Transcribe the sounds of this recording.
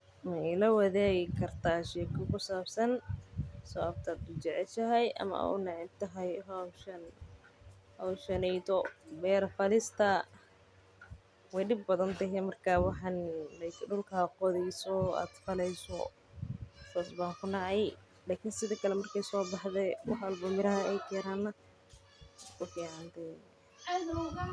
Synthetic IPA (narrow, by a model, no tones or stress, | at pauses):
mɛlɐwɐðɛːɣɪkʰɐrt̪ʰaːʃɛːkʰʊkʊsaːbsɐn | sɔabt̪ʰaːd̪ʊt͡ʃɛʕɛlʃɐɦɛjʔɐ̰mɐ̰ʊ̰nɑʕɪnt̪ɐɦɛjɦɔwʃɐn | hɔwʃɐnɛjt̪ɔbɛːɾɐfɐlɪst̪ʰɐ | wɛjɗɪbːɐðɐnt̪ɐɦɛmɐrkʰaːwɑħɑnlɛjkɖʊlkʰaːqɔðɛjsɔa̰ːd̪fɐlɛjsɔ̰ | t̪ʰɔːsbaːŋkʰʊnɑʕɑj | laːkʰɪnsɪðɐkʰɐlɛmɐrkʰɛjsɔːbɑħðɛwɑħɐlbɐmɪɾɐɦɐɛjkʰɛɾaːnːɐ | kʰʊfiːʕɑnt̪ɛ